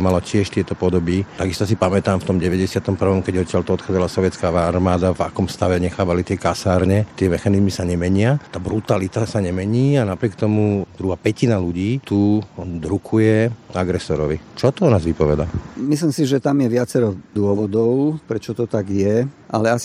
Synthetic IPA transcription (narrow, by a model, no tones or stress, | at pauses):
malacɪɛʃt̪ɪɛt̪ɔpɔd̪ɔbit̪aɡist̪ɔsipamɛt̪aːmft̪ɔmɟɛʋɛɟɛsɪat̪ɔmpr̩ʋɔmkɛɟɔt̪cːɪalt̪ɔɔt̪xɔad͡zalasɔʋjɛt͡skaːaaɾmaːd̪ava̰kɔmst̪aʋɛɲɛxaːʋalit̪ɪɛkasaːɾɲɛt̪ɪɛmɛxanizmisaɲɛmɛɲɪat̪aːbɾut̪alit̪asaɲɛmɛɲiːanapɾɪɛkt̪ɔmud̪ɾuɦaːpɛcinaluɟiːt̪ud̪ɾukʰujɛaɡɾɛsɔɾɔʋit͡ʃɔt̪ɔɔnaːzʋipɔʋɛd̪amislimsiʒɛt̪amjɛʋɪat͡sɛɾɔd̪ʊɔʋɔd̪ɔʊpɾɛt͡ʃɔt̪ɔt̪aɡjɛʔalɛas